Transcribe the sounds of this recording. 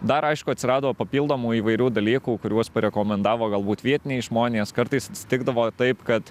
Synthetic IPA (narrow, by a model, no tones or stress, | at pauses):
d̪ɐɾɐɪʃkʊɐt̪ʲsʲɪɾɑːd̪ooːpɐpʲiːlˠd̪oːmuːiːʋɐɪɾʲuːd̪ɐlʲiːkuːkʊɾʲuɔspɐɾʲɛkoːmʲɛnd̪ɑːʋoːɡɐlˠbuːt̪ʋʲiɛt̪ʲɪnʲeːɪʒmoːnʲeːskɐɾt̪ɐɪsɐt̪ʲsʲɪ̥t̪ʲɪɡd̪ɐʋoːt̪ɐɪpkɐt̪